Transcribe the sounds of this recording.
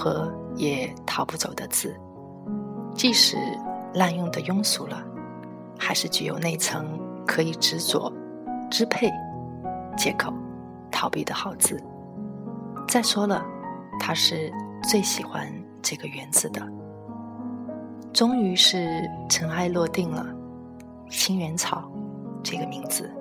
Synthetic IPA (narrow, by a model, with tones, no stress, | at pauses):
xɤ˧˥jɛ˨˩t̪ʰɑ˨˧˥ʊpu˥˩t͡so˨˩ʊd̪ə˦t͡sɹ̩˥˩ | t͡ɕi˥˩˧ʂɻ̩˨˩la˥˧njʊ˥˩ŋd̪ə˩jʊ˥ŋsu˧˩lə̰˧ | xa˧˥ɪʂɻ̩˥˩t͡ɕy˥˩jo˨˩ʊne˥˩ɪt͡sʰɤ˧˥ŋkʰɤ˧˥i˨˩ʈ͡ʂɻ̩˧˥t͡swɔ̰˨˩ | ʈ͡ʂɻ̩˥pʰe˥˩ɪ | t͡ɕjɛ˧˥kʰo˨˩˦ʊ | t̪ʰɑ˨˩ʊpi˥˩d̪ə˩xɑ˨˩ʊt͡sɹ̩˥˩ | t͡sa˥˩ɪʂwɔ˥lə˨˩t̪ʰa˥ʂɻ̩˥˧t͡swe˥˩ɪɕi˨˩xwa̰˧˥n | ʈ͡ʂɤ˥˩ɡə˩ɥɛ˧˥nt͡sɹ̩˩d̪ə˩ | ʈ͡ʂʊ˥ŋy˧˥ʂɻ̩˥˩ʈ͡ʂʰɤ˧˥ŋa˥˧ɪlwɔ˥˧t̪i˥˩ŋlə̰˩ | ɕi˥ŋɥɛ˧˥nt͡sʰɑ˨˩˦ʊʈ͡ʂɤ˥˩ɡə˩mi˧˥ŋd͡zɹ̩˩˦